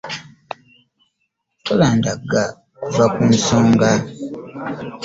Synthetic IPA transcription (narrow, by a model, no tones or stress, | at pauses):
tolaːndaɡa | kuvakunsoːŋɡa